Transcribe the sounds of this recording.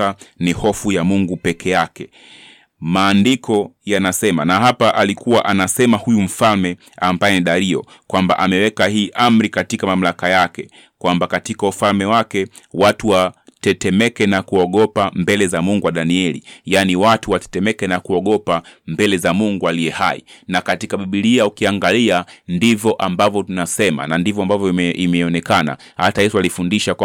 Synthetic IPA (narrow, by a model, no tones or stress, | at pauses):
anihɔfujamuŋɡupɛkʰɛjakɛ | maːndikɔjanasɛmanaɦapaʔalikuwaʔanasɛmahujum̩falmɛ | ambajɛniɗaɾiɔ̰ | kwamba̰ʔamɛwɛkahiːʔam̩ɾikatikamam̩lakajakɛ | kwambakatikaufalmɛwakɛ | watuwatɛtɛmɛkɛnakuɔɠɔpambɛlɛzamuŋɡuwaɗaniɛlḭjaniwatuwatɛ̥tɛmɛkɛnakuɔɠɔpambɛlɛzamuŋɡualiɛhaḭnakatikaɓiɓiliaukiaŋɡaliandivɔʔambavjɔtunasɛma̰nandivɔambavjɔimɛɔnɛkana̰ | hatajɛsualifundiʃa